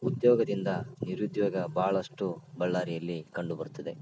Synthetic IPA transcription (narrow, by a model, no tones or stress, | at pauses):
ud̪jɔːɡɐd̪ind̪ɐniɾud̪jɐːɡɐbʱaːɭɐʂʈubɐɭːaːɾijɐlːikɐɳɖubɐɾut̪ːɐd̪e̞